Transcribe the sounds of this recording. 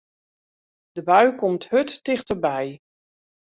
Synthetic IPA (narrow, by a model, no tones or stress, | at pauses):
d̥əbœɥkʰomthøtːɪxtərbɛj